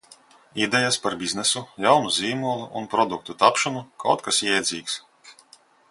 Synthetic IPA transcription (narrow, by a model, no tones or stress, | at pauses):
id̪ɛjaspaɾbʲiznɛsujawnuzʲiːmuɔlˠuʔunpɾɔd̪uk̚t̪ut̪apʃɔnuka̰wt̪̚kasjɛjd̪zʲiːks